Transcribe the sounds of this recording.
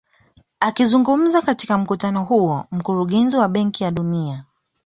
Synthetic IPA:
akizuŋɡum̩zakatikam̩kutanɔɦuɔm̩kuɾuɠɛnziwaɓɛŋkijaɗunia

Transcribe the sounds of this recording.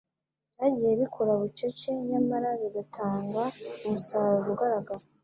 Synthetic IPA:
naɟije̞βikʰuɾaβut͡ʃot͡ʃe̞ɲamaɾaβiɡatʰaːŋɡaumusaɾuβuɡaɾaɡaɾo

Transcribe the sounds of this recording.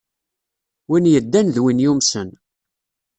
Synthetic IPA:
winjəd̪ːænðwinjumsən

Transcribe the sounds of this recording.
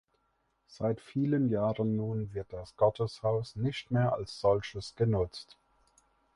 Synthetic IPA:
z̥aɪtfiːlənjaːʁənːuːnvɪɐt̚d̥asɡ̥ɔtʰəshaʊsnɪçtmeːɐʔa̰lsz̥ɔlçəsɡ̥ənʊt͡st

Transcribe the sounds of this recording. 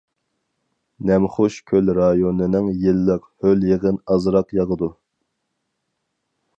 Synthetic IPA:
nɛmχʊʃkʲʰølɾɑjonɨnɪŋjɪlːəqhøljeʁənɑzɾɑqjɑʁəd̪u

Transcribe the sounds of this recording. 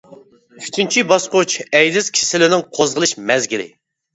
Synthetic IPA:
yt͡ʃʰynt͡ʃʰibɑsqot͡ʃɛjd̪ɪz̥kʲʰi̥sɪlɪnɪŋqʰozʁəlˠɨʃmɛzɡʲilɪ̰

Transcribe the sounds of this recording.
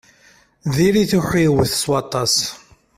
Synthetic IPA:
ðiɾiθuħiwəθəswɑt̪ˤɑs

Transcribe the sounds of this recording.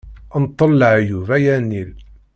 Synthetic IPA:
ənt̪ˤːəlːʕjuvæjænil

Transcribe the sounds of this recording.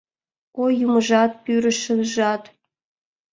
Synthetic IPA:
ojuməʒɑt̪̚pyɾəʃənʒɑt̪

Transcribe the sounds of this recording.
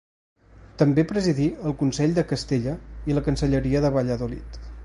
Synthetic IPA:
t̪əmbepɾəziðiəlˠkunsɛʎd̪əkəst̪eʎəiləkənsəʎəɾiəðəβaʎəðulḭt̪

